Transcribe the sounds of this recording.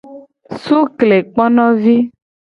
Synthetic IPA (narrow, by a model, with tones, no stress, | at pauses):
su˦kle˨k͡pɔ˦nɔ̃˦vi˦